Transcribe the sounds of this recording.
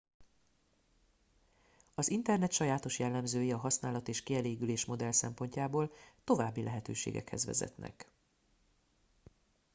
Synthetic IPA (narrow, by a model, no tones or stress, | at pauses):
ɒzint̪ɛrnɛt̪ʃɒjaːt̪o̞ʃjɛlːɛmzøːjiɒɦɒsnaːlɒt̪eːʃkiɛleːɡyleːʃmo̞d̪ɛlsɛmpo̞ɲcaːboːlt̪o̞vaːbːilʔɛɦɛt̪ø̰ːʃḛːɡɛ̰khɛ̰zʋɛ̰zɛ̰t̪nʔɛ̰k